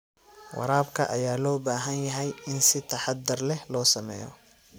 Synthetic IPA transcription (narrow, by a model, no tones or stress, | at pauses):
wɑ̰ɾaːbkʰɐ̰ʔɐjaːlɔːbaːɦɐnjɐɦɛjɪnsɪt̪ʰɐħɑd̪ɪrlɛhlɔːsɐmɛ̰ːjɔ̰